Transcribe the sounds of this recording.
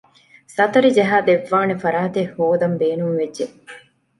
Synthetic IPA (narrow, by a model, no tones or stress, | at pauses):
sɐt̪ɐɾid͡ʒɐɦaːd̪eʋːaːnefɐɾaːt̪ehoːd̪ɐmbeːnumʋedʒe